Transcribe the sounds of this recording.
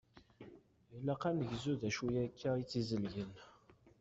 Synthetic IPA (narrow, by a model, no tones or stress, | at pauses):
ilːæqanəʝzuðæʃujækʰːæit͡sːizəlʝən